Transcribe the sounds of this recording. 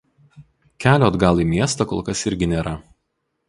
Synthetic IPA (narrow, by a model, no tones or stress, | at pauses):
kʲæːlʲoːɐd̪ɡɑlˠiːmʲiɛst̪ɐkoːlˠkɐsɪɾʲɡʲɪnʲeːɾɐ